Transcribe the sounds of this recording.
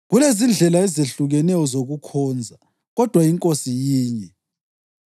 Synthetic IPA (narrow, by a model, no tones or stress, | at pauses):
ɣulezind͡ɮʱɛlaɛzeɬuɣɛnɛjɔzoɣukʰɔːnd͡zʱa | ɣɔd̥ʱwaiŋkʼosijiːɲɛ